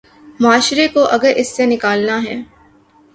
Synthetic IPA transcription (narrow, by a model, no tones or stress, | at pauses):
maːʃɾekoʔɐɡəɾʔɪsːenɪkaːlnaɦɛː